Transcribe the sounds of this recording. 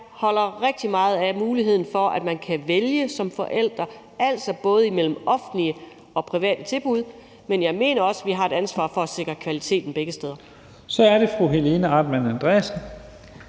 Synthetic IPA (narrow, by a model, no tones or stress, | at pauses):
hɒ̽l̰ɐʁɛɡ̥̚d̥imɑ̈ːð̞̩ˠæmuːliɦe̝ð̞̰ˠn̩fɒ̽ʔæd̥mænkʰæʋeljəsɒ̽mfɒ̽ʔel̰d̥ʁɐ | ʔæl̰sɒ̽b̥ɔ̽ːð̞̩ˠimel̰m̩ɒ̽fn̩liə | ɒ̽pʰʁiʋɛ̰ːd̥ət͡sʰe̝lb̥uð̞̰ˠ | menjɑ̈ɪme̝̰ːnɐɒ̽səʋiɦɑ̈e̝d̥ænsʋɑ̰̈ːfɒ̽æse̝ɡ̥ʁɐkʰʋælit͡sʰe̝̰ːd̥n̩b̥eɡ̥əsd̥eːð̞ˠɐ | sɒ̽æɐɾ̥e̝fʁuɦe̝le̝nəɑd̥mænænd̥ʁesn̩